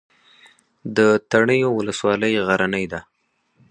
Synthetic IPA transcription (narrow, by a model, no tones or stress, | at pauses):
d̪ət̪aɳəjowʊləswɑləjɣaɾanəjd̪a